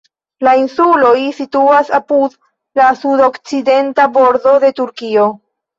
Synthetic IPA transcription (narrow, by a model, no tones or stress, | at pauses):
lainsulojsituasapud | lasudo̞kt͡side̞ntabo̞ɾdo̞de̞tuɾkio̞